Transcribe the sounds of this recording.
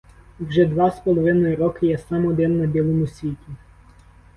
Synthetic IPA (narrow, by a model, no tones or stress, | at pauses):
wʒɛd̪ʋɑspɔlˠɔʋɪnɔjʊɾɔkɪjɛsɑmɔd̪ɪnːɐbʲilˠɔmʊsʲʋʲitʲi